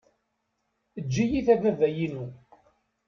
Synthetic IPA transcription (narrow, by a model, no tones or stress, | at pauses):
əd͡ʒːijiθævævæjinu